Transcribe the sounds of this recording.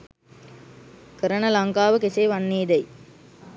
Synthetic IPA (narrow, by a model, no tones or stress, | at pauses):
kəɾənəlɐŋkaːʋəkeseːʋanːeːd̪ɛj